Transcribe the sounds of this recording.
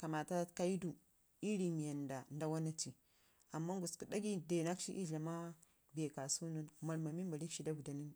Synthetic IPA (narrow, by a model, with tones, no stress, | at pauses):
ka˨ma˨ta˦ka˦i˦du˨ | i˦ɾi˨mi˨ja˨nda˨nda˦wa˦na˦ti˨ | a˨mːa˦ŋɡu˨sku˨da˦ɡi˦de˨na˦kʃi˦ʔi˦ɮa˨ma˦ | be˨ka˨su˦nu˦nma˨ɾma˨mi˦mba˨ɾi˦ʃi˦da˦bu˨da˨ni˦